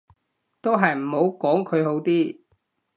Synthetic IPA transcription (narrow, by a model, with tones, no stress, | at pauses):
t̪o˥wɦɐ˨jm̩˨˩ho˨˧˥wkɔː˨˥ŋkʰɵ˨˧ɥɦo˨˥wt̪iː˥